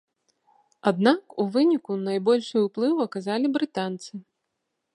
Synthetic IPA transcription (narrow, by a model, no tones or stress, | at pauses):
ad̪nakuvɨnʲikunajbɔlʲʂɨjuplˠɨwɐkazalʲibɾɨt̪ant̪sɨ